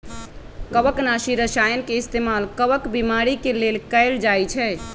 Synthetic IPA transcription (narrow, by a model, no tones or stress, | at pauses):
kəbəknaʃiɾəsajənkeist̪emalkəbəkbimaɾikelelkəɪld͡ʒajt͡ʃʰɛ